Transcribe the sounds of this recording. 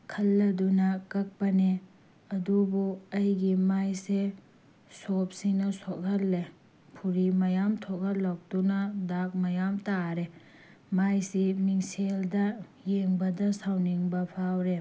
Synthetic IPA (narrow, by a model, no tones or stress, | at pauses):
kʰɐlːɐdunɐkɐk̚pɐne | ɐdubuɐjɡimajse | sop̚sinɐsoɡʰɐlːe | pʰuɾimɐjamtʰokʰɐllːɔk̚tunɐdak̚mɐjamtaɾe | majsimiŋseldɐjeŋbɐdɐsawniŋbɐpʰawɾe